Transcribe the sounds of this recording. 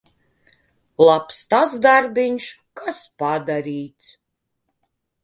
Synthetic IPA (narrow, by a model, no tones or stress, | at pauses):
lˠapst̪azd̪aɾbʲiɲʃ | kaspad̪aɾiːt̪s